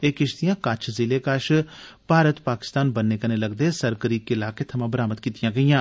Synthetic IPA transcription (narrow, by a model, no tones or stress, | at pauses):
eːkɪʃd̪ijãːkət͡ʃʰzɪleːkəʃpaːɾət̪paːkɪ̥st̪aːnbənːeːkəneːləɡd̪eːsəɾɡəɾiːkːɪlaːkeːt̪ʰəmãːbəɾaːməd̪kiːt̪ɪjãːɡəijãː